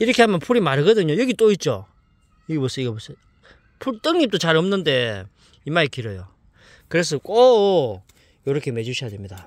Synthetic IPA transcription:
iɾʌkʰe̞ɦamjʌnpʰuɾimaɾɯɡʌdɯɲojʌɡit͈oit̚t͡ɕ͈o̰ | jʌɡebos͈ʌiɡʌbosʌ | pʰuɭt͈ɯŋɲip̚t͈ot͡ɕaɾʌmnɯnde̞ | imaikiɾʌjo | kɯɾe̞s̬ʰʌk͈o | joɾʌkʰe̞me̞d͡ʑuɕʰijadwe̞mɲida

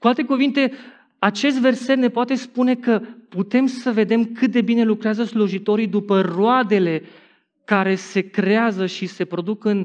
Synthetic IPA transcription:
kualt̪e̞kuvint̪e̞ | at͡ʃe̞s̬t̪ve̞rse̞t̪ne̞poat̪e̞spune̞kəput̪e̞msəve̞d̪e̞mkɨt̪̚d̪e̞bine̞lukɾeazəsluʒit̪o̞ɾid̪upəroad̪e̞le̞ | kaɾe̞se̞kɾeazəʃise̞pɾo̞d̪ukɨn

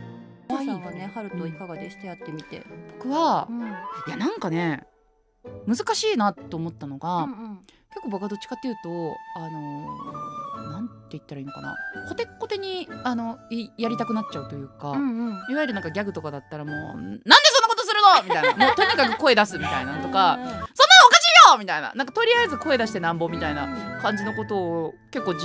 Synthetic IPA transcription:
aaanehaɾɯ̟t̪oikaɡad̪eçi̥t̪ejat̪ːemʲit̪e̞̰b̥o̞kɯ̟βa | janãŋkane̞ | mɯ̟zɨkaɕiːnat̪ːe̞ːmo̞t̪ːano̞ɡa | ke̞kːobokad̪o̞t͡ɕi̥kat̪ːejɯ̟ːt̪o̞ano̞ | nãnt̪ːe̞it̪ːaɾaiːno̞kana̰ko̞t̪e̞kːo̞t̪e̞ɲ̟iano̞jaɾʲit̪akɯ̟nat͡ɕt͡ɕaɯ̟t̪o̞jɯ̟ːkãiβaiɾɯãŋkaɡʲaɡɯ̟t̪o̞kad̪at̪ːaɾamo̰ːnãnd̪e̞sonːakot̪osɨɾɯ̟no̞mʲit̪aia̰moːt̪o̞ɲikakɯ̟ko̞e̞d̪asɨmʲit̪ainat̪o̞kasõ̞nːaokaɕiːjomʲit̪aina̰nãŋkat̪o̞ɾʲiaezɨko̞e̞d̪aɕi̥t̪e̞nãmbo̞mʲit̪aina̰kãɲ̟d͡ʑino̞ko̞t̪o̞ːke̞kːo̞ː

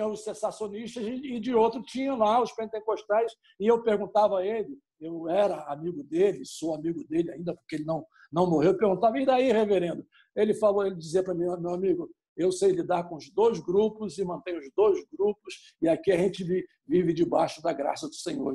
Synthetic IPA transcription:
t͡ʃɐ̃ʊsẽsasjoniʃt̪ɐzɪd͡ʒɪowt̪ɾʊt͡ʃĩɲɐ̃w̃laʊspẽnt̪ẽkoʃt̪ɛjs | ɪewpeɾɡũnt̪avɐelɪ | ewɛɾɐamiɡʊd̪elɪsowamiɡʊd̪elɪaĩnd̪ɐpʊ̥keelɪnɐ̃w̃ | nɐ̃w̃moɦewpeɾɡũnt̪avɐĩd̪aiheveɾẽnd̪ʊ | elɪfaloelɪd͡ʒiziɐpɾɐmĩmewamiɡʊ | ewsejlid̪aɾkõʊzd̪ojzɡɾupʊzɪmɐ̃nt̪ẽj̃ʊzd̪ojzɡɾupʊs | ɪakiɐʒẽnt͡ʃɪvi | vivɪd͡ʒɪbaʃʊd̪ɐɡɾa̰sɐd̪ʊsẽɲo̰ɾ

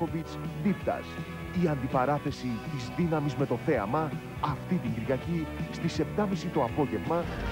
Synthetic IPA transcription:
ovit͡sðipt̪ɐ̰s | iɐnd̪ipɐɾɐθe̞sit̪izðinɐmizme̞t̪o̞θe̞ɐmɐː | ft̪it̪iɲɡiɾʝɐcist̪ise̞p̚t̪ɐmisit̪o̞ɐpo̞ʝe̞vmɐ

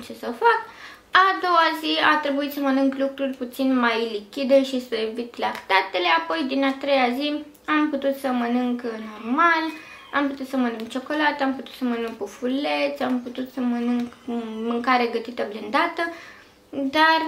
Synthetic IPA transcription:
t͡ʃe̞səfak | ad̪o̞waziat̪ɾe̞buit̪səmənɨŋklukɾurʲput̪sinmajlikʲid̪eʃisəvit̪lakt̪at̪e̞le̞apo̞jd̪inat̪ɾejazi | amput̪ut̪səmənɨŋkno̞rmal | amput̪ut̪səmənɨŋkt͡ʃo̞ko̞lat̪əamput̪ut̪səmənɨŋkufule̞t̪sʲamput̪ut̪səmənɨŋkmɨŋkaɾeɡət̪it̪əblind̪at̪ə | d̪ar

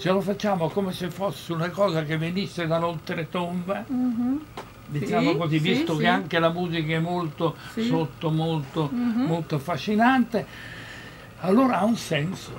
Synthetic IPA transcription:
t͡ʃelofat͡ʃːaːmokomesefosːeunakɔːzakevːenisːed̪alolt̪ɾet̪ombe | d̪it͡ʃaːmokozivisʊkeaŋkelamuːzikaɛmːolt̪osot̪ːomolt̪omolt̪oafaʃːinant̪e | alːoːɾaaunsɛnso

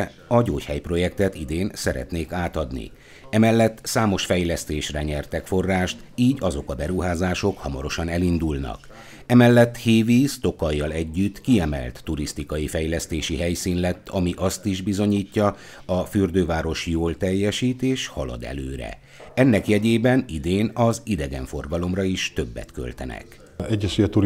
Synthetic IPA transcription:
ɒɟoːchɛjpro̞jɛkt̪ɛt̪id̪eːnsɛɾɛ̰t̪neːkaːt̪ɒd̪nḭ | ɛmɛlːɛt̪ːsaːmo̞ʃfɛjlɛst̪eːʃrɛɲɛrt̪ɛkfo̞rːaːʃt̪ | iːɟɒzo̞kɒbɛɾuɦaːzaːʃo̞khɒmɒɾo̞ʃɒnɛlind̪ulnɒ̰k | ɛmɛlːɛt̪ːheːvist̪o̞kɒjːɒlɛɟːyt̪ːkiɛmɛ̰lt̪ːuɾist̪ikɒjifɛjlɛst̪eːʃiɦɛjsiːnlɛt̪ːɒmiʔɒst̪iʒbizo̞ɲiːcːɒ | ɒfyrd̪øːvaːɾo̞ʃjoːlt̪ɛjːɛʃiːt̪eːʃhɒlɒ̰d̪ɛ̰løːɾɛ̰ | ɛnːɛkjɛɟeːbɛnid̪eːnɒzid̪ɛɡɛɱfo̞rɡɒlo̞mrɒiʃt̪ø̞bːɛ̰t̪kø̞̰lt̪ɛ̰nɛ̰k | ɛɟːɛʃyɛt̪u

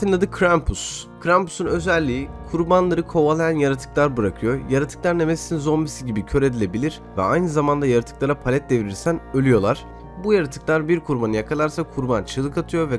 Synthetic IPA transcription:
t̪ʰɯnlˠad̪ɯkʰɾampʰus | kʰɾampu̥sunø̞zɛlʲːiːikʰuɾbanlˠaɾɯkʰo̞valˠajanjaɾat̪ʰɯ̥klˠaɾbɯɾakʰɯjo̞jaɾat̪ʰɯ̥klˠaɾnemɛsit̪ʰinzo̞mbisiɟibicʰø̞ɾe̞d̪ilʲebilʲiɾ̥ | vɛ̰ajnɯzamand̪ajaɾat̪ʰɯ̥klˠaɾapʰalʲɛt̪̚d̪e̞viɾiɾsænø̞lʲyjo̞lˠaɾ̥ | bujaɾat̪ʰɯ̥klˠaɾbiɾkʰuɾbanɯjakʰalˠaɾsakʰuɾbant͡ʃʰɯlˠɯkat̪ʰɯjo̞vɛ

